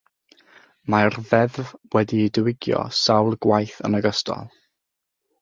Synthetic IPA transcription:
marðɛðvwɛdiːdəwɪɡjɔ̰sawlˠɡwajθə̰nəɡəstʰɔ̰lˠ

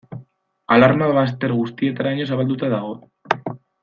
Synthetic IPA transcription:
alaɾmaðβast̪e̞ɾɣust̪ie̞t̪aɾaɲo̞saβald̪ut̪aðaɣo̞

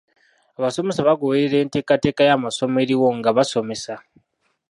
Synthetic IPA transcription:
aβaso̞me̞saβaɡoβeɾeɾe̞ːnte̞ːkate̞ːkajamaso̞me̞ɾiwo̞ŋɡaβaso̞me̞sa

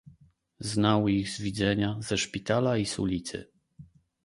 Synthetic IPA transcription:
znawiɣzvʲid̪zɛɲazɛʂpʲit̪alaisṵlʲit̪sɘ̰

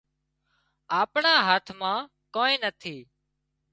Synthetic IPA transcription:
aːpɳaːɦaːt̪ʰmãː | koːnẽːnət̪ʰiː

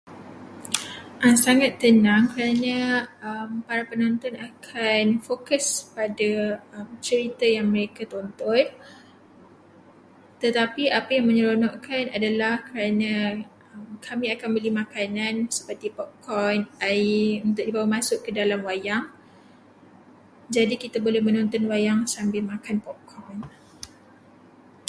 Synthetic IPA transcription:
ʔasaŋat̪ːənãŋkəɾanã | mpaɾapənɔ̃nt̪ɔnakʰanfokəspadaəmt͡ʃəɾit̪ajaŋmə̃ɾekat̪ont̪ɔn | t̪ət̪apiapajaŋmə̃ɲəɾonɔʔkʰanadalahkəɾanã | mkʰamĩakanbəlimakanansə̥pərt̪ipɔʔkɔnaiunt̪ʊʔ̚dibawamãsʊʔkədalamwajaŋ | d͡ʒadikit̪abolɛhmə̃nɔ̃nt̪ɔnwajaŋsambɪlmakanpɔʔkʰɔn

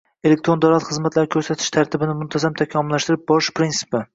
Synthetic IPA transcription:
elek̚t̪ɾond̪awlat̪χɨzmat̪ʰlaɾɪkʰʲɵɾsat̪ʰɪ̥ʃt̪ʰaɾt̪ʰɪbɪnɪmʊnt̪ʰazamt̪ʰakʲʰɒmʊlːaʃt̪ɪɾɪp̚bɒɪʃpɾinsɪ̥pɪ

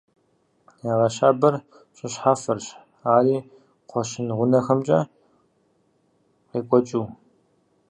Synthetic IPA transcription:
jaːʁɐɕaːbɐr | ɕʼɪɕħafɐrɕ | aːriː | qʷɔɕɪnʁʷʊnɐxɐmt͡ʃʼɐ̰ | qiːkʷʼɔt͡ʃʼuː

